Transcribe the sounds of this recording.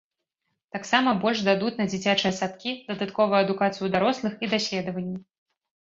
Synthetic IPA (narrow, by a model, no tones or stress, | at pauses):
t̪aksamɐbɔlʲʂd̪ad̪ut̪ʲnɐd͡zʲit͡sʲat͡ʂɨjɐsat̪kʲid̪ɐd̪at̪kɔvɨjɐd̪ukat̪sɨjud̪aɾɔslˠɨxid̪asʲlʲɛd̪ɐvɐnʲːi